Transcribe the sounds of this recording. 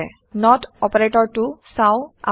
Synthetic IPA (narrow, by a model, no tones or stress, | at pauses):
ɛ | nɔtɔpɛɹetɔɹtusaʊa̰